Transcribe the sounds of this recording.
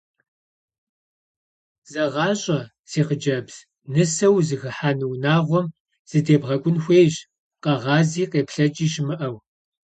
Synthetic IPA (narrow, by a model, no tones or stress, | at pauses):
zɐʁɑːɕʼɐ | seːqəd͡ʒɐbz̥ | nɨsɐwzɨxɨħaːnɨwnaːʁʷɔm | z̥ɨdeːbʁɐɡʷʼʊnxʷeːjʑ | qɐʁɑːziːqeːpʰɬɐt͡ʃʼiːʃɪmɨʔɐw